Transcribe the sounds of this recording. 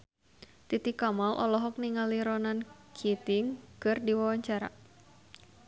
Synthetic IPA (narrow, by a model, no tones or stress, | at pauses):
t̪it̪ikamalʔɔ̰lɔɦɔk̚niŋaliɾɔnankʰit̪iŋkɨrdiwawaɲt͡ʃaɾa̰